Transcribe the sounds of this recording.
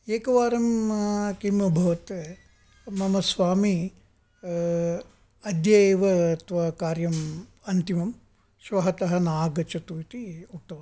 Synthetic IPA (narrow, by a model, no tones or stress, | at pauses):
eːkɐʋaːɾɐmkimɐbʱɐʋɐt̪ | mɐmɐsʋaːmi | ɐd̪jɐjeːʋɐt̪ʋɐkaːɾjɐm | ɐnt̪imɐm | ʃʋɐɦɐt̪ɐɦɐnaːɡɐt͡ʃɐt̪uit̪iok̚t̪ɐʋɐ